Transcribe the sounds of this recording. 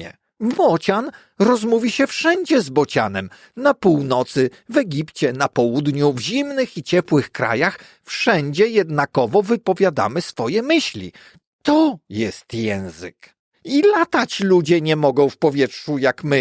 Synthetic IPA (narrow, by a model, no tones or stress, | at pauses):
ɛ̰ | bɔt͡ɕan | ɾɔzmuvʲiɕɛfʂɛɲd͡ʑɛzbɔt͡ɕa̰nɛm | napuwnɔt̪sɘ | vɛɡʲipt͡ɕɛnapɔwud̪ɲuvʑimnɘxit͡ɕɛpwɘxkɾa̰jax | fʂɛɲd͡ʑɛjɛd̪nakɔvɔvɘpɔvʲjad̪a̰mɘsfɔjɛmɘɕlʲḭ | t̪ɔjɛst̪jɛ̃w̃zɘ̰k | ilat̪at͡ɕlud͡ʑɛɲɛmɔɡɔ̃w̃fpɔvʲjɛtʂujakmɘ